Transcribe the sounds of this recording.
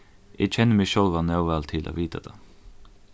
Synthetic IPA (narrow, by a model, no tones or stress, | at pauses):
ʔet͡ʃʰɛnəmɪʃɔlʋɑːnɑʊʋæːlt̪ʰɪlʔo̰ːʋiːt̪ʰəd̪̥ḛː